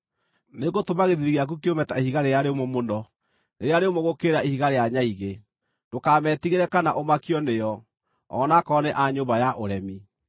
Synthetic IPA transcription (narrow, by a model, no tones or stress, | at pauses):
neɣotomaɣeðiɾiɣeak̬ukiomɛtaehiɣaɾejaɾemomondɔ | neɾeaɾeomoɣokeːɾaihiɣaɾejaɲaiɣe | dokamɛtiɣeɾɛkanaʔomakiɔnejɔ | ɔ̰nakɔneʔaɲoːbajaʔoɾɛmi